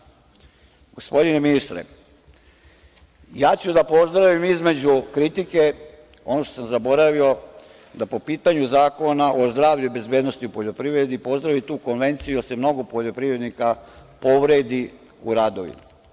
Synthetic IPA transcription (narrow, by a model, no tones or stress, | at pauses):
ɡ̥o̞spo̞d̪ine̞minist̪ɾḛ | jaːt͡ɕud̪apo̞zd̪ɾaʋimizme̞d͡ʑukɾit̪ike̞ | o̞no̞ʃt̪o̥samzabo̞ɾaʋio̞ | d̪apo̞piːt̪aɲuzaːko̞naʔo̞zd̪ɾaːʋʎube̞zbjeːd̪no̞st̪iupo̞ʎo̞pɾiʋɾed̪ipo̞zd̪ɾaʋit̪uːko̞nʋe̞nt̪sijud̪ase̞mno̞ɡo̞poʎo̞pɾiʋɾe̞d̪nikapo̞ʋɾe̞d̪i | ṵɾaːd̪o̞̰ʋḭma